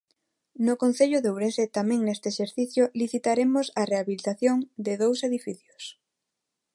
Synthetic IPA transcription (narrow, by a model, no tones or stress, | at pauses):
nʊkon̟θeʎʊðewɾenset̪amɛ̃ŋnest̪eːʃeɾθiθjʊliθit̪aɾemʊsareaβilit̪aθjoŋd̪ɪðowseðifiθjʊ̥s